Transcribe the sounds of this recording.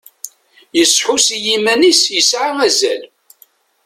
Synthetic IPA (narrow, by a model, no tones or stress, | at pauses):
jəsˤħusjimænisjəsʕaŋæzæl